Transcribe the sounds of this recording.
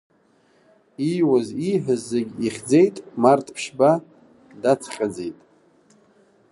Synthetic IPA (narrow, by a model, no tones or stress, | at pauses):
ijwaziħʷᶣəzːeɡʲiχʲd͡ze̞jtʼmartʼpʰʂba | dat͡sʰχʲʼad͡ze̞jtʼ